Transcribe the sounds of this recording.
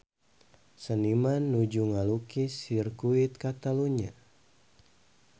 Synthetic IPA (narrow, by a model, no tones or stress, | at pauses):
sənimanːud͡ʒuŋalukisirkuit̪̚kat̪aluɲa̰